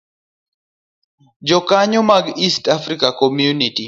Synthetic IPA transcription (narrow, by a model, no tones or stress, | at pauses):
d͡ʒɔkaɲɔmaɡistafɾikakɔmjuniti